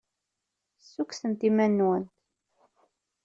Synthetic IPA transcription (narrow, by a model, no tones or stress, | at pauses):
sːuksənt̪imænːwənt̪